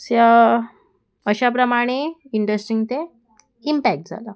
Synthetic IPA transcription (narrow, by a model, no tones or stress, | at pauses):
sja | əɕapɾəmaɽ̃eiɳɖɾəsʈiŋɡt̪e | impæk̚ʈ̚d͡zʱa̰la